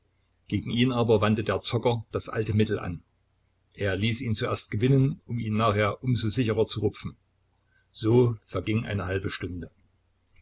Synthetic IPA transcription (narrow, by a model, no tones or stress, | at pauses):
ɡ̥eːɡŋ̩iːnaːbɐvantədeːɐt͡sɔkɐd̥asʔa̰ltəmɪtl̩ʔa̰n | ʔeːɐliːsiːnt͡suʔeɐst̚ɡ̥əvɪnənʊmiːnːaːχheːɐʔʊmzoːzɪçəʁɐt͡suʁʊpp͡fn̩ | z̥oːfɛɐɡɪŋʔa̰ɪnəɦalbəʃtʊndə